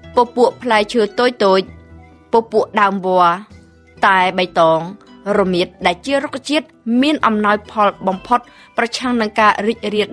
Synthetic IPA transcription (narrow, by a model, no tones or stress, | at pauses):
poːpuəʔpʰlaɛkt͡ɕʰəːt̪oːc̚t̪oːc̚ | poːpuəʔɗaəmʋoə | t̪aɛɓəjt̪ɑːŋrɔmiət̪̚ɗaɛlt͡ɕiərok̚t͡ɕiət̪̚miənʔɑmnaɔjpʰɑlɓɑmpʰot̪̚ | prɑt͡ɕʰaŋnɨŋkaːriːc̚riə